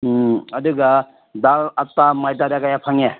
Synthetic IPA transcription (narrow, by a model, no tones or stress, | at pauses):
ɐduɡa | dalatːamajdadaɡajapʰaŋe